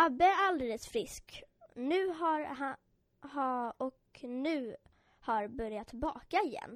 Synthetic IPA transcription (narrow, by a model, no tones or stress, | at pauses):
abːəæɾald̪eːləsfɾɪsknʉ̟ːɦaɾha | hɔknʉ̟ː | haɾbœɾjat̪bɑ̰ːkaɪjɛ̰nː